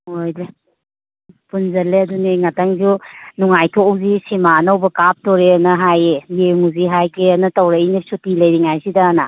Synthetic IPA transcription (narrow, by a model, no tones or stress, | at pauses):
ojde | punzɐlːeɐduniŋatʰaŋzunuŋajkʰoːwzisimaːnɐwbɐkap̚toɾeɐnɐɦajejeŋuziɦajkʰeɐnɐtɐwɾɐinisutilɐjɾiŋajsidɐːna